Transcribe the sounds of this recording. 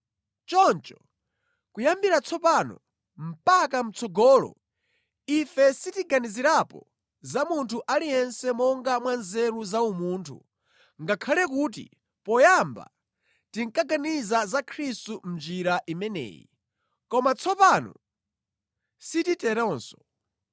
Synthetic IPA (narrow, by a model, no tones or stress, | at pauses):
t͡ʃɔnt͡ʃɔ̥ | kujambiɾat͡sʰɔpanɔ̰ | m̩pakam̩t͡sʰɔɡɔːlɔ̰ | ifɛsitiɡaniziɾapɔ̰ | zamuntʰuʔalijɛnsɛmɔŋɡamwanzɛɾuzaumuːntʰṵ | ŋɡakʰalɛk̬uːt̬ḭ | pɔjamba̰ | tiŋkaɡanizazakʰɾistum̩nd͡ʒiɾaʔimɛnɛ̰ːjḭ | kɔmat͡sʰɔpanɔ̰ | sititɛɾɔnsɔ̥